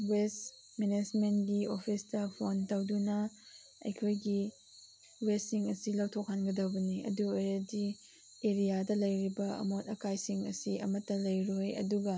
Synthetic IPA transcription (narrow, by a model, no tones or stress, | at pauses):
wes | menesmentɡiopʰistɐpʰontɐwdunɐ | ɐ̰jkʰojɡi | westːiŋɐsilɐwtʰok̚hanɡɐdɐwbɐniɐ̰duojɐdi | eɾijadɐlɐjɾibɐɐ̰motɐkajsiŋɐ̰siɐ̰mɐtːɐlɐjɾoojɐ̰duɡɐ